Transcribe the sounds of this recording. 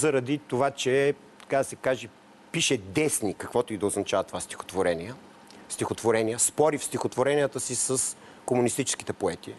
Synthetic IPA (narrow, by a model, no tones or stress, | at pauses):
zɐɾɐd̪it̪ovat͡ʃɛ | t̪ɐ̥kad̪ɐsɛkaʒɛ | piʃɛd̪ɛsnikɐkvɔt̪oid̪ɐoznɐt͡ʃavɐt̪ovast̪i̥xo̥t̪voɾɛniə | st̪ixot̪voɾɛnijəspɔɾifst̪ixot̪voɾɛnijət̪əsisəs | komunist̪it͡ʃɛ̥sk̟it̪ɛpoɛt̪i